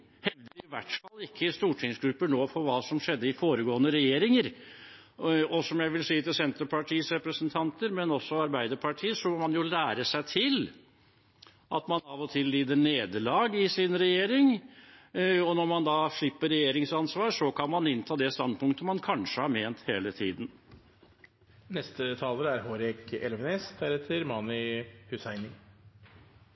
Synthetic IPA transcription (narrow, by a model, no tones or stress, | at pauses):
hɛʋd̪əɾɪʋæʈfɑlːɪkʰːəst̪uːʈʰɪŋsɡɾʉpːəɳoːfɔɾʋɑːsɔmʂɛd̪ːəɪfoːɾəɡoːənəɾɛjeːɾɪŋəɾ | ɔsɔmjæɪʋɪlsiːət̪ɪlsɛnt̪əɾpʰɑʈʰiːsɾɛpɾəsənt̪ʰɑnt̪əɾmɛnɔsːɔɑɾbæɪd̪əɾpʰɑʈʰiːəsɔmɔmɑnjʊlæːɾəsæɪt̪ʰɪl | ʔɑ̰t̪mɑnɑːʋɔt̪ʰɪlːiːd̪əɳeːd̪əlɑːɡɪsɪnɾɛjeːɾɪŋ | ɔnɔɾmɑnd̪ɑːʂɭɪpːəɾɛjeːɾɪŋsɑnsʋɑːɾʂɔkʰɑnmɑnɪnt̪ʰɑːd̪ɛst̪ɑnd̪̚pʊŋkt̪əmɑnkʰɑnʂəhɑɾmeːnt̪heːlət̪ʰḭːd̪n̩ | nɛst̪ət̪ʰɑːləɾəæɾɦoːɾɛkɛ̰lʋneːsd̪æɾheːt̪ʰəɾmɑːnʏhʉsæɪnɪŋ